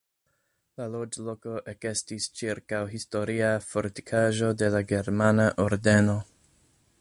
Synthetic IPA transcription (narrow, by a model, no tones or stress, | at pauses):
lalo̞d͡ʒlo̞ko̞ʔeke̞stist͡ʃiɾkawɦisto̞ɾiafo̞ɾti̥kʰaʒo̞de̞laɡe̞ɾmanaʔo̞ɾde̞no̞